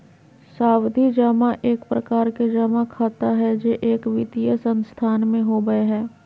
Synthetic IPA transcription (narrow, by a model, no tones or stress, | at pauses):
saːwd̪ʱid͡ʒaːmaʔeːkpɾəkaːɾked͡ʒaːmakʰaːt̪aɦɛd͡ʒeʔeːkʋɪt̪ijəsə̃nst̪ʰaːnmẽɦoːɡəeɦɛː